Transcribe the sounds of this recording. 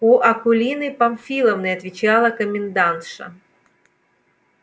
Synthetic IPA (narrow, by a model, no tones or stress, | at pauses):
uʔɐkʊlʲinɨjpɐmfʲilˠəvnəjɐt̪vʲɪt͡ɕalˠəkəmʲɪnd̪ant̪ʂɐ̰